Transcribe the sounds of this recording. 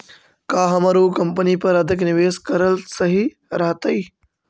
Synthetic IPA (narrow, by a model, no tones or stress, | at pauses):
kaːɦɐmɐɾuːkɐmpəniːpɐɾɐd̪ʱɪknɪʋeːskɐɾəlsɐɦi | ɾɐɦt̪ɐi